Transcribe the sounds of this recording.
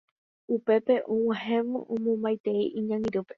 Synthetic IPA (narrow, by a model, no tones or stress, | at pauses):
upe̞pe̞ʔũwaɦẽʋõ̰ʔũmõmbajt̪e̞iʔiɲãŋĩɾɨpe̞